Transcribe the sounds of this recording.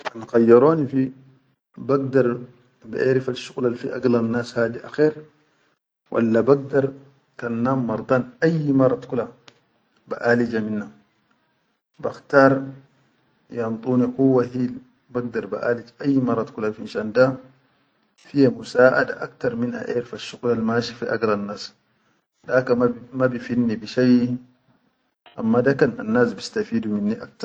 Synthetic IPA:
ʔanxajːaɾoːnifi | baɡd̪ɑɾˤ | ba̰ʔeːɾifalʃuɣlalfiʔa̰ɡlanːaːshaːd̪iʔaxeːɾ | wʔa̰lːabaɡ̚d̪ɑɾˤ | kanːaːmːɑɾˤd̪ˤaːnajmɑrˤːɑt̪kula | ba̰ʔaːlid͡ʒaminːa | baxt̪aːɾˤ | jamt̪ˤʼuːnikuwːaɦil | baɡ̚d̪aɾba̰ʔaːlid͡ʒʔajːmɑrˤːɑt̪kulafinʃanda | fijamusaːʔa̰da̰ʔakt̪aɾˤminʔa̰ʔeɾfaʃːuɡlalmaːʃifiʔa̰ɡɾanːas | dakamabifinːibiʃaj | ʔamːadakana̰nːaːsbist̪afiːduminːiʔak̚t̪aɾ

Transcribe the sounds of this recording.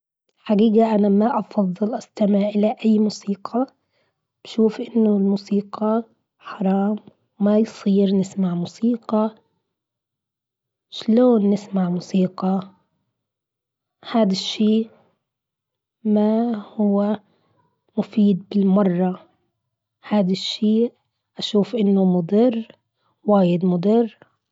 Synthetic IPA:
ħaɡiːɡaʔanamaʔɑfɑðˤːɨlʔast̪amɪʕʔɪlaʔajːmusiːqʰɑ | b̥ʃuːfʔɪnːʊlmusiːqɑ | ħɑɾˤɑːm | wːajsˤiːɾnɪsmaʕmusiːqɑ | ʃloːnːɪsmaʕmusiːqɑ | haːd̪aʃːiː | mahʊwːa | mʊfiːd̪̚bɪlmɑrˤːɑ | haːd̪aʃːiː | ʔaʃuːfʔɪnːʊmʊd̪ˤɪrː | waːjɪd̪mʊd̪ɪrˤː

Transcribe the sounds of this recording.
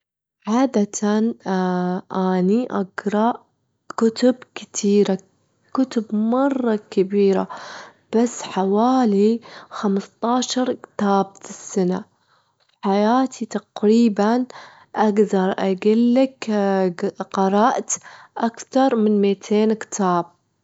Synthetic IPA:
ʕaːd̪at̪ʰan | ʔaniʔaɡɾˤɑʔ | kʊt̪ʊbkɪ̥t̪ʰiːɾa | kʊt̪ʊbmɑrˤːɑkabiːɾa̰ | b̥asːħawaːlixamst̪ˤɑːʃɑɾˤkɪ̥t̪aːb̚t̪ɪsːana | fħajaːt̪ʰit̪ɑqɾiːban | ʔaɡd̪ɑɾˤʔaɡɪlːak | qɑɾˤɑːʔt̪ʔakt̪ɑɾˤmɪnmit̪ʰeːnkɪ̥t̪ʰaːb̚

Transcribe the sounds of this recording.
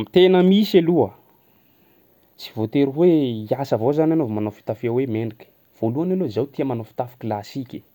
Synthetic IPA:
mit̪enəmisaluə | t͡si̥vot̪eɾuweiasəvozananovmanofi̥t̪afiawemenikʲə̥ | v̥oluanalozawt̪iəmanofi̥t̪afi̥kilasikʲi̥

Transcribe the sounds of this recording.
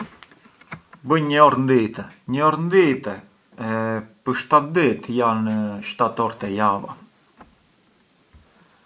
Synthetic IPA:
bəɲəɔɾnd̪it̪ɛɲəɔɾnd̪it̪ɛ | ɛpəɾʃt̪at̪d̪it̪janəʃt̪at̪ɔɾt̪ɛjava̰

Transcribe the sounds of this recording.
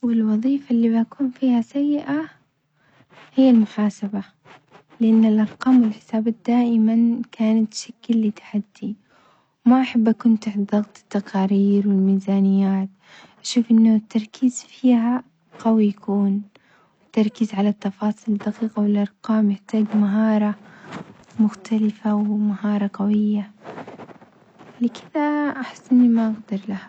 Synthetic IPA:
wɪlwɑðˤiːfalːiːbʔakuːnfiːhasajːɪʔa | hɪjːalmʊħaːsaba | lɪʔanːɪlʔɑɾˤqɑːmwɪlħɪ̥saːbaːt̪̚d̪aːʔɪmankʰaːnat̪ʃaklːit̪ḁħad̪̥ːi | wmaʔaħabːʔakuːnt̪aħd̪ðˤɑɣt̪ˤɨ̥t̪ːaqɑːɾiːɾwɪlmiːzaːnɪjːaːt̪ | ʔaʃuːfʔɪnːʊt̪ːɑɾˤkʰiːzfiːɦa | qawijakuːn | wɪt̪ːɑɾˤkiːzʕalat̪ːɑfɑːsˤild̪aqiːqawɪlʔɑɾˤqɑːmjɪħt̪aːɡmaɦɑːɾˤɑ | mʊxt̪ʰalɪfawmahɑːɾˤɑqawɪjːa | lɪkʰɪðaʔaħɪ̥sːʔɪnːimaʔaɡd̪ɑɾˤlaha

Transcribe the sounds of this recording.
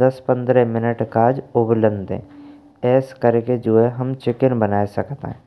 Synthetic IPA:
d̪ɐspə̃nd̪ɾɛ̃mɪnəʈkaːd͡ʒʊblə̃nd̪ʱḛ̃ː | ɛːskəɾked͡ʒoeɦɐmt͡ʃɪkənbənaːesɐkt̪ḛɦɛ̃

